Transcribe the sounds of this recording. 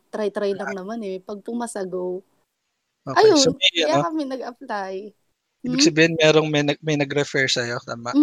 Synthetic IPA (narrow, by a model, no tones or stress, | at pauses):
t̪ɾajt̪ɾajlɐŋnɐmanɛpɐɡ̚pʊmɐsɐɡow | ʔoːʔɐjjosoijakɐmɪnɐɡɐplaj | ʔiːbɪɡ̚sɐbiːhɪnmɛːɾoŋmɐjnɐɡmɐjnɐɡɾɛfɛɹsɐjot̪aːmaʔ